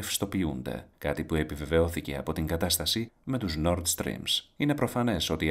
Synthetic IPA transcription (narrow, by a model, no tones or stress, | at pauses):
fi̥st̪o̞piṵnd̪e̞̰kɐt̪ipue̞pive̞ve̞o̞θice̞ɐ̰po̞t̪iŋɡɐt̪ɐst̪ɐsime̞t̪uzno̞ɾt̪st̪ɾḭmsine̞pɾo̞fɐne̞so̞t̪i